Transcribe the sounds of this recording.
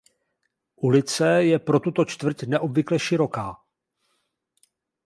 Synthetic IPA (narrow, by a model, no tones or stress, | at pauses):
ʔulɪt͡sɛjɛpɾo̞t̪ut̪o̞t͡ʃt̪vr̩cnɛʔo̞bvɪklɛʃɪɾo̞kaː